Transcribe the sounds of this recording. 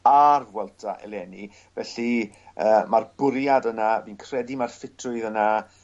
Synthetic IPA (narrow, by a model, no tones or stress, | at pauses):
arvwɛlˠtʰaʔɛ̰lˠɛni | vɛɬi | əːmarbʊɾjadənaviːnkʰr̥ɛdimarfɪtʰrʊɨðəna